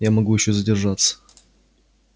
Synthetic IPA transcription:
jamɐɡujɪɕːozədʲɪrʐat̪sə̥

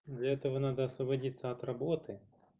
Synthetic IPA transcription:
d̪lʲɐɛt̪ɔɦɔnɑd̪ɐːsɔbɐdʲit̪sat̪rɐbɔt̪ɪ

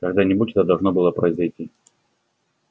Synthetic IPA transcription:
kɐɡd̪anʲɪbutʲɛt̪əd̪ɐlˠʐno̞bɨlˠəpɾəɪzɐjtʲi

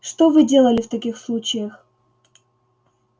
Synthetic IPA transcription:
ʂt̪ovɨdʲe̞lˠəlʲɪft̪ɐkʲixslˠut͡ɕɪjəx

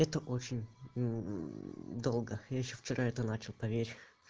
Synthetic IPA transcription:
ɛt̪əʔo̞t͡ɕɪnʲ | d̪o̞lˠɡəjaɪɕːoft͡ɕɪɾʔaɛt̪ənat͡ɕɪlˠpɐvʲeɾʲ

